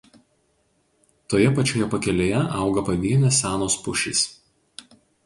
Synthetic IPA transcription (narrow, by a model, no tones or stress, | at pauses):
t̪oːjɛpɐt͡ʃʲoːjɛpɐkʲɛlʲeːjɛʔɑˑʊɡɐpɐʋʲiɛnʲɛsʲæːnoːspʊʃʲḭs